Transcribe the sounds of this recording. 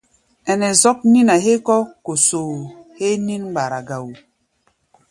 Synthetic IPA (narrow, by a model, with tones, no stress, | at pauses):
ɛ˨nɛ˨zɔ˦k̚ni˦na˨ɦe˦kɔ˦ko˨soː˨he˦ni˦nɡ͡ba˨ɾa˨ɡa˨wu˨